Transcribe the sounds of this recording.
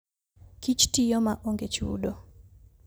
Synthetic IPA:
kit͡ʃtijɔmaʔoŋɡet͡ʃṵdo

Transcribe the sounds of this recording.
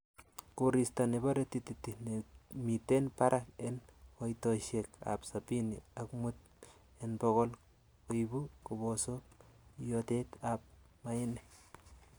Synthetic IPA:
kuɾistanebaɾetititːinemitenpaɾʔakenkojtoʃeka̰psapinḭakmut̪̚ | enbokol | kujbukubosojotetap̚ | maine

